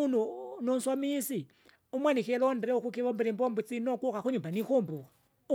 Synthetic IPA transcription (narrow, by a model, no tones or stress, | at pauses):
ununonswamisi | umwanikɛlɔndɛɾɛukukiβɔmbiɾimbɔmbut͡sinɔkukaxuɲumbanixombuka | u